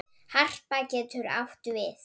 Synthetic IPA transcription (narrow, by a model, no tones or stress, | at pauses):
har̥pacɛːt̪ʰʏɾa̰wht̪ʏvɪθ